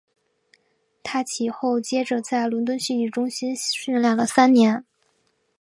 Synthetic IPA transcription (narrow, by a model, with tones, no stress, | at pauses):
t̪ʰa˥t͡ɕʰi˨˩xo˥˩ʊt͡ɕjɛ˥ʈ͡ʂɤ˨˩t͡sa˥˩ɪlwə˧˥nt̪wə˥nɕi˥˧i˥˩ʈ͡ʂʊ˥ŋɕi˥nɕy˥˧nljɑ˨˩ŋɡə˩sa˥nnjɛ˧˥n